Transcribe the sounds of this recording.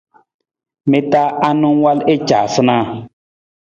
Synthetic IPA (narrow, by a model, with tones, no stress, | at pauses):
mi˦ta˦a˦nu˦ŋwa˦le˦t͡ʃaː˨sɨ˦na˦˨